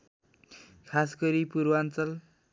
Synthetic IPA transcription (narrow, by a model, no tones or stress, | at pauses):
kʰasɡʌɾipuɾwant͡sʌl